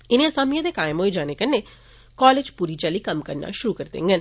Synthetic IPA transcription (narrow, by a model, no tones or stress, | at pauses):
ɪnẽːəsaːmijãːd̪eːkaːɪmɦoːid͡ʒaːneːkənːe | kɔːleːd͡ʒpuːɾiːt͡ʃaːliːkəmkəɾna̰ːʃʊɾuːkəɾd̪ḛːŋɡən